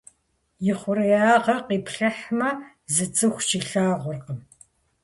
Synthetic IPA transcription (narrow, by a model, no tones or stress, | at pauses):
jɪχʷʊɾɐjaːʁɐqiːpʰɬɐħmɐ | zɨt͡sʼɨxʷt͡ʃiɬaːʁʷʊrqəm